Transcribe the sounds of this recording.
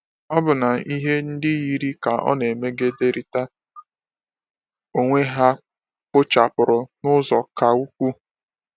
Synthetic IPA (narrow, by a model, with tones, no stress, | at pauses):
ɔ˦bʊ˨na˨i˦ɦe˦n̩˦dɪ˦ji˦ɾi˦ka˨ʔɔ̰˦ne˨me˦ɡe˦de˦ɾi˦ta˦ | o˦ŋʷe˦ɦa˦ | k͡pʊ˦t͡ʃa˨pʊ˨ɾʊ˨nʊ˦zɔ˨ka˨u˦kʷu˦